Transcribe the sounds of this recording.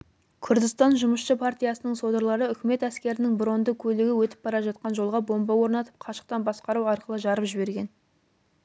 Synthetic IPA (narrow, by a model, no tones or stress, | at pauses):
kʲʰʏɾd̪ɪst̪ɑnʒʊməʃʃəpʰart̪ijasənəɴso̞d̪əɾlˠɑɾəʏkʲɪme̞t̪æskʲe̞ɾɪnɪŋbɾo̞nd̪əkʲʰɵlɪɡʲɪwɵt̪ɪ̥p̚b̥ɑɾɑʒɑt̪̚qɑnʒo̞lˠʁɑbo̞mbɑwo̞ɾnɑt̪ə̥p̚qʰɑʃə̥q̚t̪ɑnbɑsqɑɾuwɑɾqəlˠəʒɑɾəpʒɪbe̞ɾɡʲe̞n